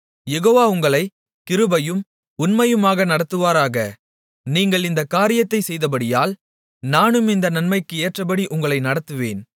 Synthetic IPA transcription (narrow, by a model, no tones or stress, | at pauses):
jɛɣoːʋaːʊŋɡɐɭɐɪ | kɪɾɯbɐjɯm | ʊnmɐjɯmaːɣɐnɐɽɐt̪ːɯʋaːɾaːɣɐ | niːŋɡɐɭɪnd̪ɐkːaːɾɪjɐt̪ːɐɪsɛjðɐpɐɽɪjaːl | naːnɯmɪnd̪ɐnɐnmɐɪkːɯeːʈrɐpɐɽiʔʊŋɡɐɭɐɪnɐɽɐt̪ːɯʋḛːn